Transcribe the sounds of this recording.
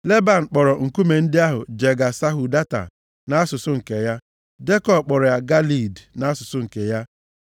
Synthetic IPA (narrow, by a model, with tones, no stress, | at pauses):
le˦ba˨n̩˨k͡pɔ˨ɾɔ˨ŋ̩˨ku˦me˨n̩˦dɪ˦a˦ɦʊ̰˨d͡ʒe˨ɡa˨sa˦ɦu˨da˦ta̰˨ | na˦a˦sʊ˨sʊ˦ŋ̩˨ke˨ja˦ | de˦kɔ˨b̚k͡pɔ˨ɾɔ˨ja˨ɡa˦li˨dna˨a˦sʊ˨sʊ˦ŋ̩˨ke˨ja˦